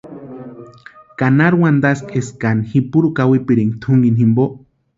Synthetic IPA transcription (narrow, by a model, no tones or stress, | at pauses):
kanaɾwand̪askeskanhipuɾukawipiɾiŋt̪ʰuŋɡinhimboʔ